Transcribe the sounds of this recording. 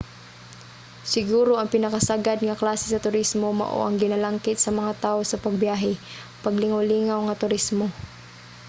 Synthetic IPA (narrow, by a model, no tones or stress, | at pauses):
sɪɡuːɾoʔɐŋpɪnɐkasaɡad̪̚ŋɐklaːsɪsɐt̪ʊɾismoma̰ʔo̰ʔɐŋɡɪnalaŋkɪt̪̚sɐmɐŋat̪aːosɐpɐɡ̚bjaːɦɛ | pɐɡlɪŋawliːŋawŋɐt̪ʊɾismo